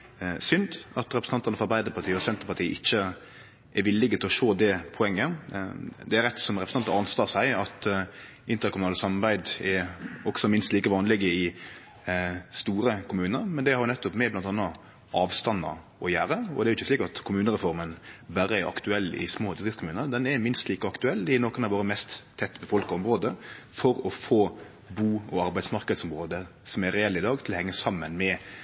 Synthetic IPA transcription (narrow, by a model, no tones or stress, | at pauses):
sʏnd̪ɑt̪ɾɛpɾə̥ɑnt̪əʁnəfɔɑɾbæɪd̪əɾpʰɑt̪ʰiːəɔsɛnt̪əɾpɑt̪ʰiːəʔɪçːə | ʔɛɾʋɪlːɪɡət̪ɪlɔʃoːd̪ɛpʰɔɛŋːə | d̪ɛæɾɛt̪sɔmɾɛpɾə̥nɑnt̪ɑɑnst̪ɑːsæɪɑt̪ | ʔɪnt̪əɾkʰʊmʉnɑːləsɑmɑɾbæɪd̪ɛɾɔksɔmɪnst̪liːkəʋɑːnlɪɡəɪ | st̪uːɾəkʰʊmʉːnəɾmɛnd̪ɛhɑɾjnɛt̪ːɔpmɛblɑnt̪ɑnːɑ | ʔɑːʋst̪ɑnɑ̰ | ɔjæːɾəɔ̰d̪ɛɾʊɪçːəsliːkɑt̪kʰʊmʉːnəɾɛfɔɾmənbæɾəɛɾɑ̰kt̪ʉɛlːɪ̰smoːd̪ɪsɾɪfskʊmʉːnəɾd̪ɛnɛmɪnst̪liːkɔɑkt̪ʉɛlːɪnoːkənɑʋoːɾəmɛst̪tʰːɛt̪ːbəfɔlkɑɔmʁoːd̪ə | fɔɾɔfoː | buːɔɑɾbæɪd̪smɑʁkəd̪sɔmʁoːd̪ə | sɔmæɾɛɛlːɪd̪ɑːɡt̪ʰɪlɔhɛŋːəsɑmːənmɛ